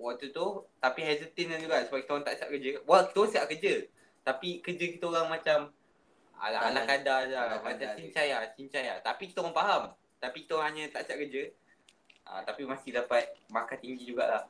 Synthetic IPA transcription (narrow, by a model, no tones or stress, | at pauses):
waʔt̪ut̪ut̪apiɦazət̪ɪnand͡ʒuɡaʔsəbaʔ̚kit̪aoɣaŋt̪aʔt͡ʃa̰ʔkəd͡ʒəwaki̥t̪əsəaʔkəd͡ʒə | t̪apikəd͡ʒəkit̪əoɾaŋmat͡ʃam | a̰aa̰lahkadaaaasiɲt͡ʃajasiɲt͡ʃaja̰t̪apikit̪əɣaŋpaɦam | t̪apikit̪oɾãɦaɲə̃t̪a̰ʔsaʔkəd͡ʒə | ʔa̰t̪apimasɪhdapat̪̚makat̪iŋɡid͡ʒuɡa̰ʔlah